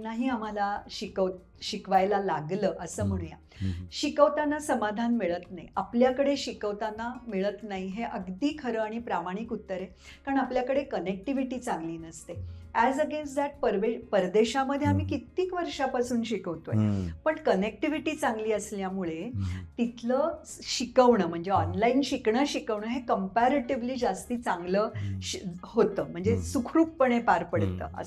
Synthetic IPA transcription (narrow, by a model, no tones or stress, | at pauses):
naɦiːam̤alaɕikəʋt̪̚ | ɕikʋajlalaɡləːʔəsəːm̤əɽ̃uja̰ | ɕikəʋt̪anːasəmad̪ʱanmiɭət̪naɦḭapljakəɽeɕikəʋt̪anamiɭət̪naɦiɦeʔəɡd̪iːkʰəɾəaɽ̃ipɾamaɽ̃ikut̪ːəɾe | kaɾəɳapljakəɽekənek̚ʈiʋiʈiːt͡sãŋɡliːnəst̪eæd͡zəɡensʈd̪ɛʈ̚pəɾʋepəɾd̪eɕaməd̪ʱːjeamiːkit̪iːkʋəɾʂapasuːnɕikəʋt̪ojpəɳkənek̚ʈiʋiʈiːt͡sãŋɡliːəsljamuɭet̪it̪ʰləːɕikəʋɳəm̤əɳd͡zeɔnlainɕikɳəɕikəʋɳəɦekəmpaɾeʈeʋliːd͡ʑast̪iːt͡sãŋɡləː | hot̪əːm̤əɳd͡zesukʰɾuːk̚pəɳepaɾpəɽt̪ːə̰ːə̰